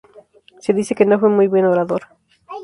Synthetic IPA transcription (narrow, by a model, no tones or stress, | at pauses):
se̞ðise̞ke̞no̞fwe̞mujβwe̞no̞ɾaðo̞ɾ